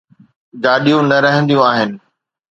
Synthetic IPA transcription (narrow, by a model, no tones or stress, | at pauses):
d͡ʑaːɗijũnɐɾɐɦə̃nd̪ijũaːɦɪnɪ̆